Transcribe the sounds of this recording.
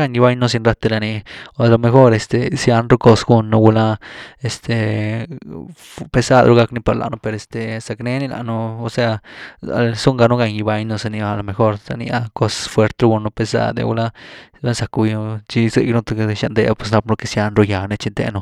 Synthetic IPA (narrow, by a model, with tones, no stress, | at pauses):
a˧˨ɲji˧ba˧˦jno˦s̬i˧nɾa˧t̪e˧ɾa˧ni˧o˨˧lo˧me˧xo˧ɾe˧st̪e˨sja˧nɾu˦ko˧sɡu˧nːo˧ɡu˧la˦e˧st̪e˨ | pe˧sa˧d̪ɾu˧ɡa˧kni˧pa˧ɾla̰˨nũ˧pe˧ɾe˨st̪e˨sa˧kne˦ni˦˧la̰˧ʔnuː˧se˧a˧a̰˧˨lsu˦ŋɡa˧nu˦ɡa˧ɲji˧ba˧˦jnu˧se˧ni˧a˧˨lo˧˨me˧xo˧ɾsa̰˧nḭ˧a˧ko˧sfwe˧ɾt̪ɾu˧ɡu˧nːu˧pe˧sa̰˧d̪ḛ˧ɡṵ˧la˦˧ɾa˦sa˧ku˧jt͡ʃi˧zḛ˧jnu˧t̪o˧ke˧ʃa˧nd̪e˧a˧pwe˧sna˧p̚no˧ke˧sja˧nɾu˧ja˨ne˧t͡ʃi˧t̪ḛ˧nu˧